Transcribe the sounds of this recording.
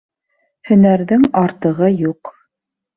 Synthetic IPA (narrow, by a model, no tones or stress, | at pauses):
hɵ̆næɾðɘŋɑɾt̪ɤ̆ʁɤjuq